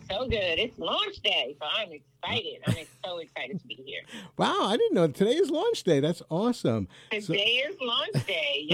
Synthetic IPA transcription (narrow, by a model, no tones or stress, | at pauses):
soʊɡʊd̪̚ðɨɾɪtslɔ̃nt͡ʃd̥eɪsoʊãɪ̃mɨksaɪɾɪdã̰ɪ̃mĩsoʊɨksaɪɾɨd̚tʰəbihḭɹwaʊaɪdɪdⁿn̩noʊtʰɨdeɪɨzlɔ̃nt͡ʃd̥eɪðætsɔsə̰̃mtʰɨsdeɪɪzlɔ̃nt͡ʃd̥eɪ